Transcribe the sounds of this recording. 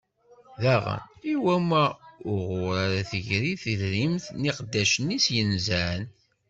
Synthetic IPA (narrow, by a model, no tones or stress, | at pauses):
ðæʁə̰niwæmæʊʁʊɾaɾæθəʝɾiθiðɾimθniqd̪ːæʃənisjənzæn